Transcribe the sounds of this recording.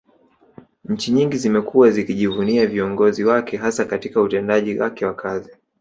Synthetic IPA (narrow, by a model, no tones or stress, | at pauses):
ɲ̩t͡ʃiɲiŋɡizimɛkuwazikiʄivuniaviɔŋɡɔziwakɛɦasakatikautɛndaʄiwakɛwakʰazi